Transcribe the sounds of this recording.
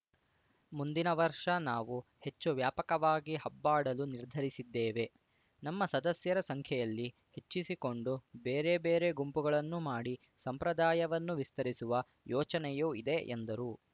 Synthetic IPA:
mund̪inɐʋɐɾʂɐnaːʋuhe̞t͡ʃːuʋjaːpɐkɐʋaːɡiɦɐbːaːɽɐluniɾd̪ʱɐɾisid̪ːeːʋe̞ | nɐmːɐsɐd̪ɐsjɐɾɐsɐŋkʰjɐjɐlːi | he̞t͡ʃːisiko̞ɳɖubeːɾebeːɾe̞ɡumpuɡɐɭɐnːumaːɽi | sɐmpɾɐd̪aːjɐʋɐnːuʋist̪ɐɾisuʋɐ | jɔːt͡ʃɐnɛjoːid̪eʔḛnd̪ɐɾu

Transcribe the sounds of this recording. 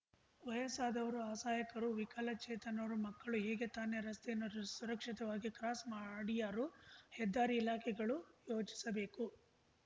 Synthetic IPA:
ʋɐjɐsaːd̪ɐʋɐɾuaːsaːjɐkɐɾuʋikɐlɐt͡ʃɛːt̪ɐnɐʋɾumɐkːɐɭuɦeːɡe̞t̪aːneɾɐst̪ejɐnːusuɾɐkʂit̪ɐʋaːɡikɾaːsmaːɽijaːɾuhɛd̪ːaːɾiːlaːkʰɛɡɐɭujo̞ːt͡ʃi̥sɐbe̞ːku

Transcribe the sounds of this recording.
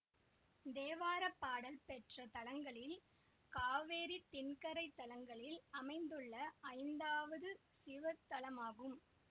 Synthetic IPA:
d̪eːʋaːɾɐpːaːɽɐlpɛʈrɐt̪ɐɭɐŋɡɐɭɪl | kaːʋeːɾit̪ːɪnkɐɾɐɪt̪ːɐɭɐŋɡɐɭɪlɐmɐɪnd̪ɯɭːɐɐɪnd̪aːʋɐðɯ | sɪʋɐt̪ːɐlɐmaːɣɯm

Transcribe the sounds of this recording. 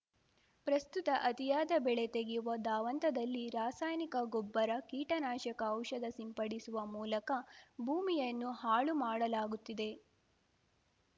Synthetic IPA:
pɾɐst̪ut̪ɐʔɐt̪ijaːd̪ɐbɛɭe̞t̪eɡijuʋɐd̪aːʋɐnt̪ɐd̪ɐlːiɾaːsaːjnikɐɡobːɐɾɐkiːʈɐnaːʃɐkɐːwʃɐd̪ɐsimpɐɽisuʋɐmuːlɐkɐbʱuːmijɐnːuhaːɭumaːɽɐlaːɡut̪ːid̪e̞

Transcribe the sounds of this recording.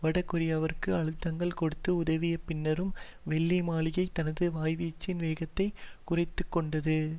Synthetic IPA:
ʋɐɽɐkːɯɾɪjɐʋɐɾkːɯɐɻɯt̪ːɐŋɡɐɭkɔɽɯt̪ːɯʊðɐʋijɐpɪnːɐɾɯm | ʋɛɭːimaːɭɪjɐɪt̪ːɐnɐðɯʋaːjʋiːt͡ʃːɪnʋeːɣɐt̪ːɐɪkʊrɐɪt̪ːɯkːɔɳɖɐðɯ

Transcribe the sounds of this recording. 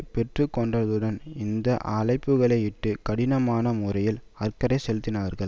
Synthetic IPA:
pɛʈrɯkːɔɳɖɐðɯɽɐnɪnd̪ɐʔɐlɐɪpːɯɣɐɭɐɪɪʈːɯkɐɽɪnɐmaːnɐmʊrɐjɪl | ɐɾkɐɾɐɪsɛlɯt̪ːɪnaːɾɣɐɭ

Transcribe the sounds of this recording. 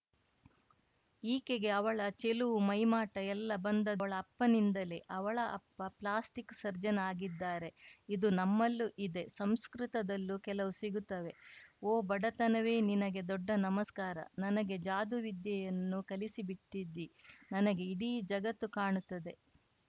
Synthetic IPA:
iːke̞ɡe̞ɐʋɐɭɐt͡ʃe̞luʋumɐjmaːʈɐɛlːɐbɐnd̪ɐɐɭɐːpːɐnind̪ɐleʔɐʋɐɭɐʔɐpːɐplaːsʈiksɐɾd͡ʒɐnaːɡid̪ːaːɾe̞id̪unɐmːɐlːuʔid̪e̞sɐmskɾit̪ɐd̪ɐlːukɛlɐʋusiɡut̪ːɐʋe̞oːbɐɽɐt̪ɐnɐʋe̞ːninɐɡe̞d̪ɔɖːɐnɐmɐskaːɾɐ̰nɐnɐɡe̞d͡ʒaːd̪uʋid̪jɐjɐnːukɐlisibiʈːid̪ːinɐnɐɡe̞iɽiːd͡ʒɐɡɐt̪ːukaːɳut̪ːɐd̪e̞

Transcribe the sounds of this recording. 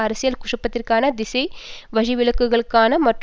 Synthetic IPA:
ɐɾɐsɪjɐlkʊʂɯpːɐt̪ːɪrkaːnɐd̪ɪsɐɪʋɐɻɪʋɪɭɐkːɯɣɐɭɯkːaːnɐmɐʈr

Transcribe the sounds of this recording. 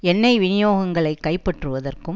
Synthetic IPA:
ɛnːɐɪʋɪnɪjoːɣɐŋɡɐɭɐɪkːɐɪpːɛʈrɯʋɐðɐrkɯm

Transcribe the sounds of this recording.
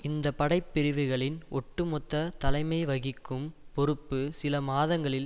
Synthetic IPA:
ɪnd̪ɐpɐɽɐɪpːɪɾɪʋɯɣɐɭɪnʔɔʈːɯmɔt̪ːɐt̪ɐlɐɪmɐɪʋɐɣɪkːɯmpɔɾɯpːɯsɪlɐmaːðɐŋɡɐɭɪl

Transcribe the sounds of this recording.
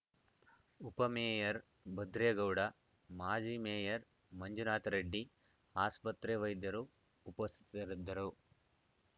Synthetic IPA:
upɐmeːjɐɾ | bɐd̪ɾeːɡɐwɽɐ | maːd͡ʒiːmeːjɐɾ | mɐɲd͡ʒunaːt̪ɐɾɐɖːi | aːspɐt̪ɾeʋɐjd̪ːɐɾuː | pɐst̪ʰi̥t̪ɐɾid̪ːɐɾu

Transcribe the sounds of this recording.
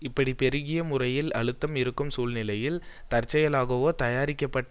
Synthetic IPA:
ɪpːɐɽipɛɾɯɣɪjɐmʊrɐjɪlɐɻɯt̪ːɐmɪɾɯkːɯmsuːlnɪlɐjɪlt̪ɐɾt͡ʃːɐjɐlaːɣɐʋoːt̪ɐjaːɾɪkːɐpːɐʈː

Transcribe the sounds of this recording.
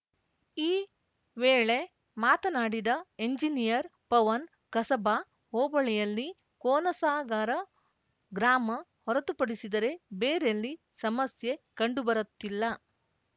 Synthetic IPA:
iː | ʋeːɭe̞ | maːt̪ɐnaːɽid̪ɐeɲd͡ʒinijɐɾpɐʋɐn | kɐsɐbaː | ɦoːbɐɭɛjɐlːi | koːnɐsaːɡaːɾɐ | ɡɾaːmɐhɔɾɐt̪upɐɽisid̪ɐɾe̞beːɾelːisɐmɐsje̞kɐɳɖubɐɾɐt̪ːilːɐ

